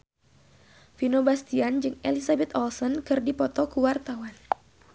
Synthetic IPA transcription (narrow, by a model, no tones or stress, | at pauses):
finobast̪iand͡ʒɨŋḛlisabɛt̪ɔlsɔnkɨrdipɔt̪ɔkuwart̪awan